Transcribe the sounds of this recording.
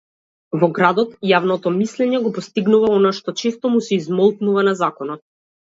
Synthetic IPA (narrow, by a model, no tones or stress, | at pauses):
vɔɡɾad̪ɔt̪javnɔt̪ɔmislɛɲɛɡɔpɔst̪iɡnuvaɔnaʃt̪ɔt͡ʃɛst̪ɔmusɛizmɔlˠknuvanazakɔnɔt̪̚